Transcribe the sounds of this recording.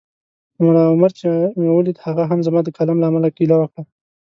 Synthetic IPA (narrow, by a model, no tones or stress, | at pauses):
mʊɾaʊmaɾt͡ʃemewəlid̪haɣaɦamzamɑd̪əkalamlaːmalakilawəkɽa